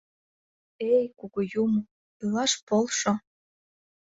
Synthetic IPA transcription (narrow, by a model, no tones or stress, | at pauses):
ejkuɣojumo | ilɑʃpolˠʃo